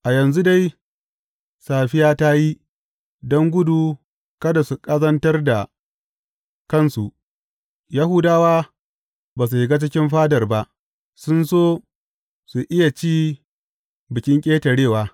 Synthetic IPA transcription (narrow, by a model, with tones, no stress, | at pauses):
ʔa˨jɐ˨nzu˦da˦j | saː˨ɸɪ˦jaː˦ta˦ji˦ | dɔ˦ŋɡʷʊ˦duː˨ | kɐ˦da˨su˨kʼɐ˦zɐ˦ntɐ˦rda˨ | kɐ˦˨nsu˨ʔ | ja˦hʊ˦daː˦waː˦ | baː˨s̬u˨hɪ˨ɡa˦t͡ʃɪ˦kʲɪ˦mɸaː˦dɐ˨rba˦ʔ | sʊ˦nsoː˦ | su˨ʔɪ˦ja˨t͡ʃiː˦ | bɪ˨kʲɪ˦ŋkʲʼeː˦tɐ˨ɽeː˦˨waː˨˦